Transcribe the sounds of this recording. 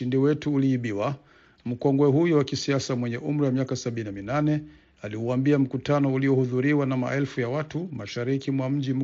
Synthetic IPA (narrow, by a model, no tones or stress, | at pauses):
indiwɛtuːliːɓiwa | m̩kɔŋɡwɛɦujuwakisiasamwɛɲɛʔum̩ɾiwamiakasaɓininaminanɛ | aliuambiam̩kutanɔuliɔhuðuɾiwanama̰ʔɛlfujawatumaʃaɾikimwam̩ʄim̩